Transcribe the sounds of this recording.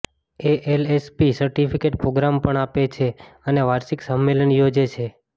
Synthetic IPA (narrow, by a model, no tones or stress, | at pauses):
eʔelespisəɾʈipʰikeʈpɾoɡɾampəɳapet͡ʃʰeəneʋaɾʃiksəmːelənjod͡ʒet͡ʃʰe